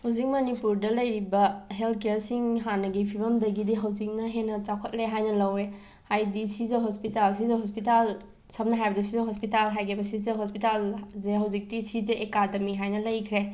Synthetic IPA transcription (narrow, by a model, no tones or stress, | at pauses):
huzik̚mɐnipuɾdɐlɐjɾibɐɦeltʰkejɾsiŋɦanɐɡipʰibɐmdɐɡidiɦɐwd͡ʒik̚nɐɦenːɐt͡ʃakʰɐt̚leɦajnɐlɐwe | hajdisizeɦospitalsizɐɦospital | sɐp̚nɐɦajbɐdisizeɦospitalɦajɡʰebɐsizɐɦospitalzeɦɐwzik̚tisizeʔekademiɦajnɐlɐjkʰɾe